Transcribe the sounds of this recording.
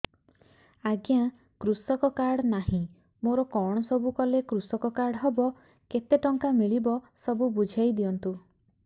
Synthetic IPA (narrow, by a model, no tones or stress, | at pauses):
aɡja | kɾusɔkɔkaɽɔnaɦĩ | moɾɔkɔɽ̃ɔsɔbukɔlekɾusɔkɔkaɽɦebɔ | ket̪eʈɔŋkamiɭibɔsɔbubud͡ʒʱajd̪iɔnt̪u